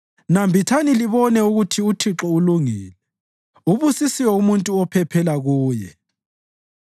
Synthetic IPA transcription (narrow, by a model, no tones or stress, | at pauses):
nambʱitʰaniliβɔnɛuɣutʰiutʰiǁɔuluŋiːlɛ | uβusisiwɔumuntʼuɔpʰɛpʰɛlaɣuːjɛ